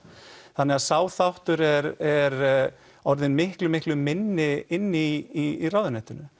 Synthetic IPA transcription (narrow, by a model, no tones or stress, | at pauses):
θanːɛɣaðsaːwθawht̪ʏɾɛɾɛɾ | ɔɾðɪnmɪhklʏmɪhklʏmɪnːɪɪnːɪiːrawðʏnɛht̪ʏnʏ